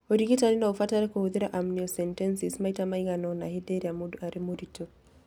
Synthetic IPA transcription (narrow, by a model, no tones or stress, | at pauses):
odikitaɾinaufataɾɛkohuðiɾaʔamniɔsɛntɛnsismaitamaiŋanɔna̰hideɾiamodaɾimoditʰo